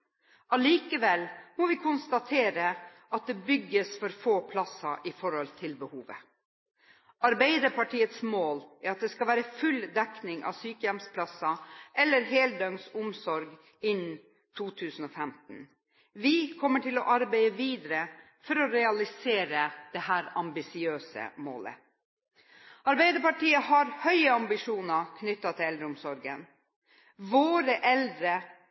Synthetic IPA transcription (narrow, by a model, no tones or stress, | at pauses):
ɑliːkəʋɛlmɔʋɪkʰʊnst̪ɑt̪ʰeːɾə | ʔɑt̪̚d̪ɛbʏɡːəsfɔɾfoːpʰlɑsɑʔɪfɔɾhɔlt̪ʰɪlbəhuːʋə̰ | ɑɾbæɪd̪əɾpɑʈʰiːət̪smoːlæɾɑt̪̚d̪ɛskɑlʋæːɾəfʉld̪ɛknɪŋʔɑ̰ʋsyːkəjɛmspʰlɑsɑʔɛlːəɾɦeːld̪ɑŋsʊmsɔɾɡ | ɪn | t̪ʰuːt̪ʰʉːsn̩ɔfɛmt̪n̩ | ʋɪkʰɔmːəʈʰɪlɔʔɑɾbæɪəʋiːd̪əɾə | fɔɾɔɾɛɑlɪseːɾəd̪̥ɛhæːɾɑmbɪsɪøːsə̰mo̰ːlə̰ | ɑɾbæɪd̪əɾpɑʈiːəhɑɾhœʏəɑmbɪʂuːnəɑkʰnʏt̪ːɑt̪ʰɪlɛld̪ɾəʊmsɔɾɡə̰n | ʋoːɾəʔɛld̪ɾə